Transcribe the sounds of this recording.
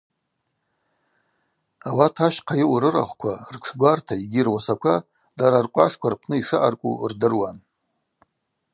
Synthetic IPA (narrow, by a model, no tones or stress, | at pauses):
awatʰaʃqʰajɪwɾɨra̰χʷkʷʰarkʷʰɡʷartʰaiɡʲɪrwasakʷʰa | daɾarkʷʼaʂkʷʰarpʰnɨiʂɨʔa̰rkʷʼṵrdɨrwan